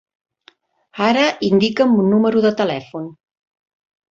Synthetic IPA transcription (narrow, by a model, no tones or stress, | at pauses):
aɾəʔind̪ikəmbunːuməɾuðət̪əlɛfun